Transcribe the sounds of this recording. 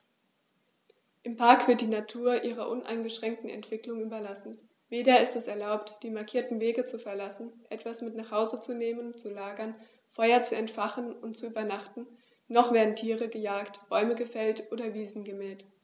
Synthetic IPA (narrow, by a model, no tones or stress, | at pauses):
ʔɪmpʰaɐkv̥ɪɐt̚d̥iːnatʰuːɐʔiːʁɐʔʊnʔa̰ɪnɡəʃʁ̥ɛŋk̚tn̩ɛ̰ntv̥ɪklʊŋʔyːbɐlasn̩ | veːdɐɪstɛsɛɐlaʊptd̥iːmaɐkʰiːɐtn̩veːɡət͡sufɛɐlasn̩ʔɛtv̥asmɪtnaχhaʊzət͡suneːmənt͡sulaːɡɐn | fɔʏɐt͡suɛntfaχənʊntt͡suʔyːbɐnaχtn̩ː | ɔχv̥ɛːɐdn̩tʰiːʁəɡəjaːktb̥ɔʏməɡəfɛltʔoːdɐviːzn̩ɡəmɛːlt